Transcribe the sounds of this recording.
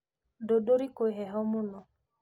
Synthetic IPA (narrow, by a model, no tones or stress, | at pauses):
dodoɾikoeɦɛɦɔmʊnɔ